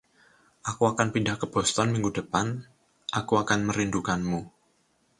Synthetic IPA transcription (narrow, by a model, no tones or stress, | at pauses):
ʔakuakanpindahkəbɔst̪ɔnmiŋɡudəpan | ʔakuakanməɾindukanmu